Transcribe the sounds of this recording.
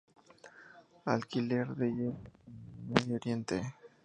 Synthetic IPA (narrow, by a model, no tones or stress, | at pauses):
alkileɾðejeenmeðjooɾjent̪e